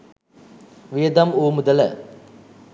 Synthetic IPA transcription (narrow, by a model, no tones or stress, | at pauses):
ʋijɐd̪ɐmuːmʊd̪ɐlɐ